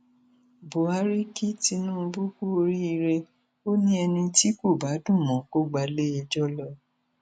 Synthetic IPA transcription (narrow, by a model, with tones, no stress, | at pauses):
bo˨a˦ɾi˦ki˦ti˧nũː˦˧bu˦ku˦o˧ɾi˦i˧ɾe˧ | o˦nĩ˦ɛ˧nĩ˧ti˦ko˦˨ba˨˦dũ˦˨mɔ̃˨ko˦ɡ͡ba˧le˦ɛ˧d͡ʒɔ˦lɔ˧